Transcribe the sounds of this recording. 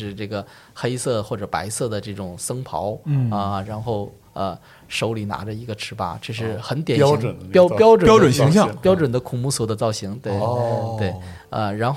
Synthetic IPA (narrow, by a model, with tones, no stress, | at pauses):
ʂɻ̩˥˧ʈ͡ʂɤ˥˩ɡə˩ | xe˥ɪsɤ˥˧˩xwɔ˥˩ʈ͡ʂɤ˨˩pa̰˧˥ɪsɤ˥˩d̪ə˩ʈ͡ʂɤ˥˩ʈ͡ʂʊ˨˩ŋsɤ˥ŋpʰɑ̰˧˥ʊ˥ə˧˩ɻa˧˥nxo˥˩ʊ | ə˧ | ʂo˧˥ʊli˨˩na̰˧˥ʈ͡ʂə˧i˧˥ɡə˧ʈ͡ʂʰɻ̩˧˥pa̰˧˥˩ʈ͡ʂɤ˥˧ʂ̬ɻ̩˥˩xə˧˥nt̪jɛ˨˩˥ɕpjɑ˥ʊpjɑ˥ʊʈ͡ʂə˨pjɑ˥ʊʈ͡ʂə˨˩nɕi˧˥ŋɕjɑ˥˧˥pjɑ˥ʊʈ͡ʂə˨˩nd̪ə˦kʰʊ˨˩ŋmu˥swɔ˨˩d̪ə˦t͡sɑ˥˩ʊɕi˧˥ŋt̪we˥˩ɪt̪we˥˩ɪ | ə˧ɻa˧˥nx